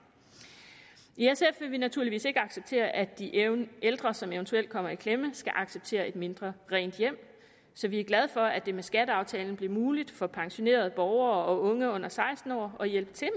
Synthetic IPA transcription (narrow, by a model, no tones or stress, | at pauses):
iesefʋe̝ʋinæt͡sʰuɐ̰liʋḭːse̝ɡ̥əɑ̈ɡ̥seb̥̚t͡sʰe̝̰ːɐʔæd̥ield̥ʁɐsɒ̽meʊnt͡sʰuel̰d̥̚kʰɒ̽m̰ɐikʰleməsɡ̥æʔɑ̈ɡ̥seb̥̚t͡sʰe̝̰ːɐe̝d̥me̝nd̥ʁɐʁɛ̰ːnd̥jem̰ | sɒ̽ʋiæɐɡ̥læð̞ˠfɒ̽æd̥e̝mesɡ̥æd̥əɑ̈ʊt͡sʰɛ̰ːln̩b̥liɐmuːlid̥fɒ̽pʰɑ̈ŋɕo̝ne̝̰ːɐð̞̩ˠb̥ɒʊɐɒ̽ɔ̽ŋəɔ̽n̰ɐsɑ̈ɪsd̥n̩ɒ̰ːɒ̽jelb̥ət͡sʰe̝